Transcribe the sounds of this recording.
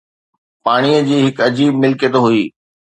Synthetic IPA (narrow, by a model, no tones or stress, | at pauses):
paːɽ̃iəd͡ʑiːɦɪkɐd͡ʑiːb̚mɪlket̪oɦʊiː